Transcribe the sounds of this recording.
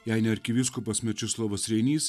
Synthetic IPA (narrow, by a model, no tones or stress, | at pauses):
jæɪnʲɛɐɾʲkʲɪʋʲɪskʊpɐsmʲɛt͡ʃʲɪslˠoʋɐsɾʲɛɪnʲiːs